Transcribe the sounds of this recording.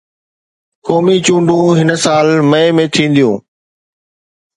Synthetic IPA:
kɔːmit͡ɕũːɳɖũɦɪnsaːlmɐ̃ẽmẽt̪ʰĩːn̆d̪ijũː

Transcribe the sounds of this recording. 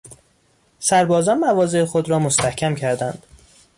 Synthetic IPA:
sæɾbɒːzɒːnmævɒːze̞exod̪ɾɒːmost̪æhcʰʲæmcʰæɾd̪ænd̪̥

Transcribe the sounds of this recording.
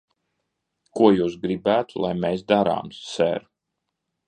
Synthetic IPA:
kuɔjuːsɡɾibæːt̪ulˠa̰jmesd̪aɾa̰ːmssɛ̰ɾ

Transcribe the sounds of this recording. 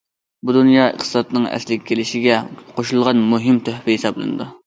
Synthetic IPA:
bud̪unjɑːə̰χt̪ʰɨ̥sɑt̪nɨŋɛ̰slɪkʲɛkʲʰelɪʃɪɡʲɛqʰoʃulˠʁɑnmuɦɪmt̪ʰøhpɪɦisɑblˠɨ̰nɨ̰d̪ɨ

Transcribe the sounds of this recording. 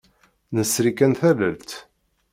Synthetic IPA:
nəsɾikænθælə̰lt̪

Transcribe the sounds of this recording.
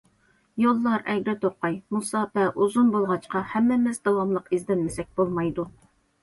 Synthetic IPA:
jolˠːɑɾɛɡʲɾɪt̪ʰoqːɑjmusɑbɛʔuzunbolˠʁɑt͡ʃqɑhɛmːɪmɪzd̪ɑwɑmlˠəqizd̪ɛnmɪsɛk̚ʲb̥olˠmɑjd̪u

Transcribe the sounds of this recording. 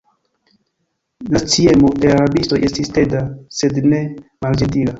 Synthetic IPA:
lat͡sie̞mo̞de̞aɾabisto̞jʔe̞stiste̞dase̞dne̞mald͡ʒentila

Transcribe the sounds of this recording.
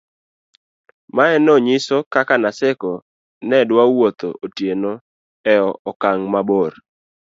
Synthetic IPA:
maɛnɔɲɪsɔkakanasɛkɔ | nɛdwawot̪o̰ʔotjeno | ɛɔɔkaŋmaboɾ

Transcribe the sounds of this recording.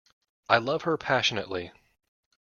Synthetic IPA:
ʔaɪlʌv̥hə˞pʰæʃɨnɨ̰ʔˡli

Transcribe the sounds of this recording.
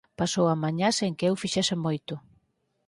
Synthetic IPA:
pasowamaɲaseŋkɪewfiʃɛsɪmojt̪ʊ

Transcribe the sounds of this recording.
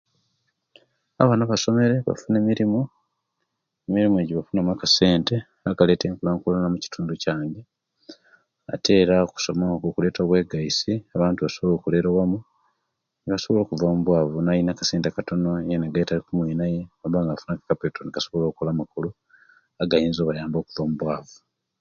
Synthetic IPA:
aβanaβaso̞me̞ɾe̞βa̰fune̞ːmiɾimo | emiɾimueɟiβafunamakase̞ːnte̞ | aɡale̞ːteːŋkulaːŋkulanamuci̥tuːnducaːŋɡe | a̰te̞ːɾaku̥so̞makokule̞ːtoːβwe̞ːɡaisiaβaːntuβaso̞βolo̞ːkule̞ɾowamu | niβaso̞βo̞lo̞ːkuvamuβwaːvunajinakḁseːntekato̞nojenaɡajitaikumwiːnaje̞olβaːŋɡafunakḁkapeːtonikaso̞βolo̞ːkulaːmakulu | aɡajiːnzoːβajaːmbo̞ːkuvamuβwaːvu

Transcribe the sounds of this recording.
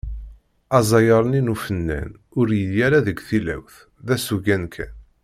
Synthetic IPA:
ɑzˤɑjəɾˤəninufənːæ̰n | ʊɾjəljæɾæðəɡθilæ̰wθ | ðæsuʝænkʰə̰n

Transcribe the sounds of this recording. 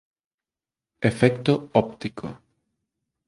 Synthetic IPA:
efɛkt̪oɔp̚t̪ikʰo̰

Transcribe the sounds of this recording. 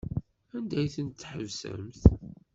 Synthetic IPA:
ænd̪æjθənt̪ːħəvsə̰mθ

